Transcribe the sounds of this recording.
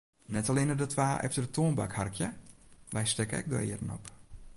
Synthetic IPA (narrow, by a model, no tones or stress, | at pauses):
nɛtalɪnədɔtʰʋaːʔɛ̰ftərdətʰoːnba̰kharkʰjəʋɛjstɪkəɛ̰k̚do̰ːɪ̰ːərən̩ɔ̰p